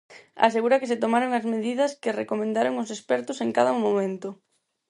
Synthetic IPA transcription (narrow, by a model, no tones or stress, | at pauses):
a̰seɣuɾɐkɪset̪omaɾoŋɐzmeðiðɐskɪrekomẽnd̪aɾoŋʊsespɛɾt̪ʊseŋkaðɐmomẽnt̪ʊ